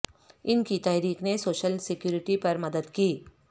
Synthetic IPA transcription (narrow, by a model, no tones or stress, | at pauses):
ɪnkit̪ɛːɾiːxnesoːʃəlsɪkjuːɾɪʈipɐɾmɐd̪əd̪kiː